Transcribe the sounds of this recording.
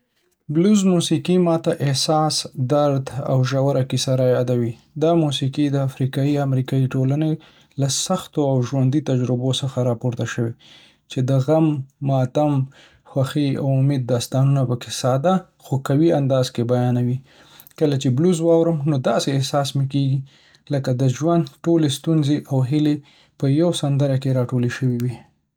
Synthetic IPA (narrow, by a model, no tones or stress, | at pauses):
bluzmusikimɑt̪aʔɪhsɑsd̪aɾd̪a̰wʒawaɾakisaɾajɑd̪awi | d̪ɑmusikid̪əafɾikɑiamɾikɑiʈolane | lasaxt̪oawʒwand̪it̪ad͡ʒɾɪbosəxaɾɑpoɾt̪aʃəwe | t͡ʃed̪əɣamːɑt̪am | xwaxia̰wʊmed̪̚ːɑst̪ɑnunapəkesɑd̪a | xokawiand̪ɑzkebajɑnawi | kəlat͡ʃebluzwɑwɾəmnod̪ɑseːhsɑsmekeɡi | ləkad̪əʒwand̪ʈolest̪unzeʔawɦɪle | pəjawsand̪əɾakeɾɑʈoleʃəwiwi